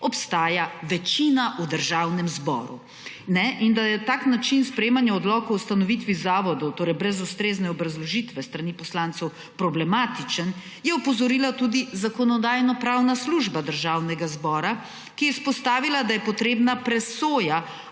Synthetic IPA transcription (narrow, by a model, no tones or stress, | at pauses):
ɔpst̪aːjaʋɛt͡ʃinaʔud̪əɾʒawnɛmzbɔ̰ːɾṵ | nɛʔind̪ajɛt̪aːknat͡ʃinspɾɛjeːmanjaɔd̪lɔːkɔwst̪anɔʋit̪ʋizaːʋɔd̪ɔwt̪oːɾɛjbɾɛzust̪ɾeːznɛɔbɾazlɔʒit̪ʋɛst̪ɾanipɔslant̪sɛw | pɾɔblɛmaːt̪it͡ʃən | jɛɔpɔzɔɾiːlat̪uːd̪izakɔnɔd̪aːjnɔpɾawnasluʒbad̪əɾʒaːwnɛɡazbɔːɾa | kijɛispɔst̪aːʋilad̪ajɛpɔt̪ɾeːbnapɾɛsoːja